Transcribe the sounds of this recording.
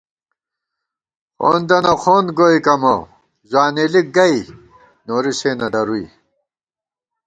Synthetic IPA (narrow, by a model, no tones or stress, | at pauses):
xo̰ːnd̪ɐnoxʰoːnɡoːikɐmo | zaːnelik̚ɡɐi | noːɾiseːnɐd̪ɐɾuḭ